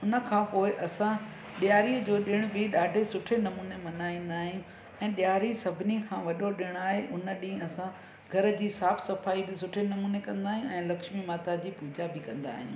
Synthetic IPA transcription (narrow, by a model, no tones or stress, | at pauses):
ʊnə̆kʰãːpoːɪʔɐsã | ɗjaːɾiəd͡ʑoːɗɪɽ̃bɪɗaːɖʱesʊʈʰenɐmuːnemɐnaːĩːn̆d̪aːɦijũ | ɛ̃ːɗɪjaːɾisɐbʱɪnikʰãːʋɐɗoɗɪɽ̃aːɦeʔʊnə̆ɗĩːɐsã | ɡʱɐɾə̆d͡ʑiːsaːfsɐfaːibɪsʊʈʰenɐmuːnekɐ̃nd̪aːɦɪj̃ũɛ̃ːlɐkʃmimaːt̪ad͡ʑiːpuːd͡ʑabɪkɐ̃nd̪a̰ːɦijṵ̃ː